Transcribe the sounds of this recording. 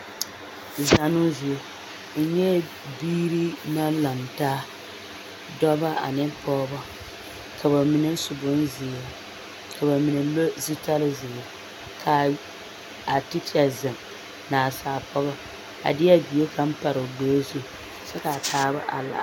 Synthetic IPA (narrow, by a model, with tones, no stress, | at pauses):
za˨nʊ˦zʊ˨o˨ | n̩˦ɲɛ˦ | biː˦ɾi˦na˦la˨mtaː˦ | dɔ˦ba˦ʔa̰˨nɪ˦pɔː˦bɔ˦ | kʰa˨ba˨mɪ˨nɨ˦sʊ˨bʊ˦n˦zɪ˨a˨ | ka˨ba˨mi˨nɨ˨lo˦zi˦ta˦lɪ˦zɪ˨a˨ | kʰa˨ | a˨tɪ˦ta˨zɨ˨m | naː˨saː˨pɔ˦ɣɔ˦ | a̰˨dɪ˦a˦bi˨je˦ka˦m̩˦pa˨ɾɨ˨ɡ͡boː˦zu˦˨ | sɛ˦ka˨tʰaː˦ba̰˦ʔa̰˨la̰˨